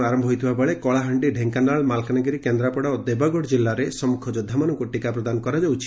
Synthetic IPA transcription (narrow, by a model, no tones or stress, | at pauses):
aɾɔmbʱɔɦojt̪ʰibabeɭekɔɭaɦaɳʈiɖʱeŋkanaɭmalkʰanaɡiɾikend̪ɾapɔɽaod̪ebaɡɔɽd͡ʒilːaɾesɔmukʰɔd͡ʒɔd̪ʱːamanɔŋkuʈikapɾɔd̪anɔkɔɾad͡ʒawt͡ʃʰi